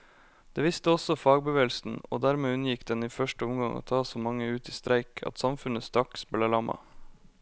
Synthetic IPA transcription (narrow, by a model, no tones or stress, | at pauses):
d̪̥eːʋɪst̪əɔsɔfɑːɡ̚bəʋeːlsn̩o̰ːd̪æɾmeːʉnəjɪkd̪ɛniːfœʃʈəʊmɡɑŋo̰ːt̪ʰɑːsoːmɑŋːəʉːt̪iːst̪ɾæɪkʰɑ̰t̪sɑmfʉnəst̪ɾɑksbəleːlɑmɑ̰